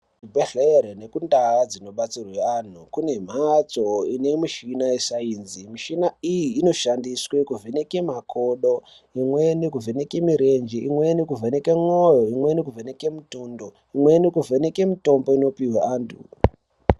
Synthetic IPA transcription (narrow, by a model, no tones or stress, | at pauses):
ibʱeɬeɾene̞kundaːd͡zino̞ɓat͡sirwean̤ukune̞m̤at͡so̞ine̞miʃinaesaiːnzimiʃinaijiːno̞ʃandiswekuvʱenekemakʰoɗo̞ | imwenikuvenekemiɾe̞nd͡ʒiʔimwenikuvʱenekeŋojoimwe̞nekuvʱeneke̞mutundo | imwe̞nikuvʱenekemito̞mbo̞ino̞piweaːntʰṵ